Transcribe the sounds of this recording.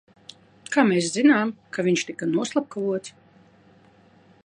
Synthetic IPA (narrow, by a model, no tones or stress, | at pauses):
kaːmeːs̬zinaːmkavʲiɲʃt̪ikanuɔslˠap̚kavuɔt̪s